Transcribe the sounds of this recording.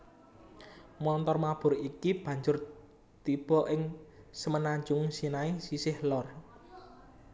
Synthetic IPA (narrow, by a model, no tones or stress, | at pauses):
mɔnt̪ɔrmab̥ʊ̤ɾikib̥ä̤ɲd͡ʒʊr | t̪ib̥ɔ̤ʔɪŋsəmənaɲd͡ʒʊŋsinaisisɪhlɔr